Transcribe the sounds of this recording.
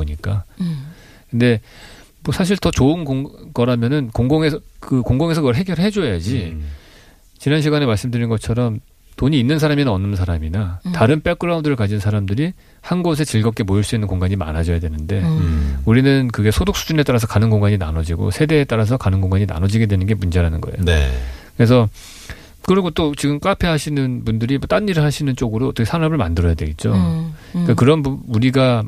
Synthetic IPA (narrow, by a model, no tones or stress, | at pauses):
oɲik͈a | kɯnde̞ | mʌsʰaɕ̬ʰiɭtʌt͡ɕoɯnɡoɡʌɾamjʌnɯnkoŋɡoŋesʰkɯkoŋɡoŋe̞s̬ʰʌkɯɡʌɭɦe̞ɡjʌɾɯɭɦe̞d͡ʑojad͡ʑi | t͡ɕinanɕʰiɡanemaɭs͈ɯmdɯɾinɡʌt͡ɕʰʌɾʌm | toɲiːnːɯnsʰaɾaminɯnʌnːɯnsʰaɾaminataɾɯnp͈ek͈ɯɾaundɯɾɯɭkad͡ʑinsʰaɾamdɯɾi | hanɡos̬ʰe̞t͡ɕiɭɡʌk͈e̞mojiɭs͈uinːɯnkoŋɡaɲima̰nad͡ʑʌjadwe̞nɯnde̞uɾinɯnkɯɡe̞sʰodok̚s͈u̥d͡ʑune̞t͈aɾas̬ʰʌkanɯnɡoŋɡaɲina̰nʌd͡ʑiɡo̰sʰe̞de̞ːt͈aɾas̬ʰʌkanɯnkɡoŋɡaɲina̰nʌd͡ʑiɡe̞dwe̞nɯnɡe̞mund͡ʑeɾanɯnɡʌejo̰kɯɾe̞s̬ʰʌ | kɯɾiɡot͈ot͡ɕiɡɯmk͈apʰe̞ɦaɕʰinɯnpundɯɾimʌt͈aɲːiɾɯɭhaɕʰinɯnt͡ɕ͈oɡɯɾoʌt͈ʌkʰesʰaɾabɯɭmandɯɾʌjadwe̞ɡet̚t͡ɕ͈oik͈akɯɾʌnbuuɾiɡa